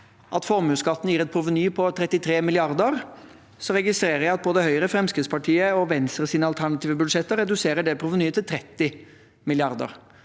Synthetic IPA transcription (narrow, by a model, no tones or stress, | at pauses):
ʔɑt̪fɔɾmʉːskɑt̪ːn̩jiːʁɛt̪̚pʰɾʊʋənyːpʰɔt̪ʰɾɛt̪ːɪt̪ʰɾeːmɪlɪɑʁd̪əɾ | sɔɾɛɡɪst̪ɾeːɾəjæɪɑt̪̚boːd̪əhœʏɾəfɾɛmskɪd̪spʰɑʈʰiːəɔʋɛnst̪ɾəsiːnəɑlt̪ʰæɳɑt̪ʰiːʋəbʉd̪ʂɛt̪ːəɾɛd̪ʉseːɾəɖɛpʰɾʊʋənyːət̪ʰɪlt̪ʰɾɛt̪ːɪ | mɪlɪɑʁd̪ə̰ɾ